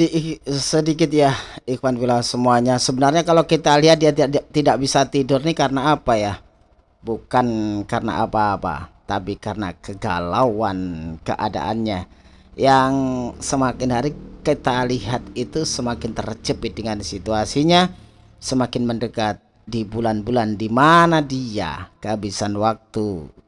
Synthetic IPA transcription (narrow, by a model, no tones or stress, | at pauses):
sədik̬ɪt̪̚jaikwanbilasəmuaɲasəbənarɲakalakit̪aliɦat̪̚diaat̪idaʔbisat̪idʊrnikarənaːpaja | bukankarəna̰ʔapaːpa̰t̪apikarəna̰kəɡa̰lawankə̰ʔa̰da̰ʔanɲa | jaŋsəmakɪnɦaɾikit̪aliɦat̪it̪usəmakɪnt̪ərət͡ʃəpɪt̪̚dəŋansit̪uasiɲa | səmakɪnməndəkat̪̚ | dibulanbulandimanadia̰ɡ̥abisanwak̚t̪u